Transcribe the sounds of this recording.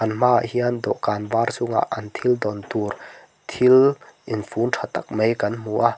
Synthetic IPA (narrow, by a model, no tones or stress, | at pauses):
ɐnm̥aʔhiand̪ɔʔkanvaːrsʊŋa̰ʔɐnt̪ʰild̪ɔnt̪ur | t̪ʰilʔinfunʈʰat̪ak̚mejkɐnmuʔa